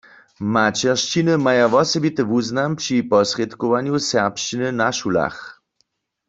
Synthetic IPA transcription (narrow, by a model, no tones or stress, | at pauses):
mat͡ʃɛʁʃt͡ʃinəmajaʋɔsɛbit̪əʋuznampʂipɔsʁjet̪kɔʋaɲjusɛʁpʃt͡ʃinɨnaʃula̰x